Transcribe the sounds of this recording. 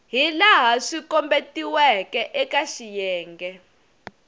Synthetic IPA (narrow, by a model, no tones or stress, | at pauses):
ɦilaɦaʂikɔmbetʼiwɛkʼɛʔɛkʼaʃijɛːŋɡɛ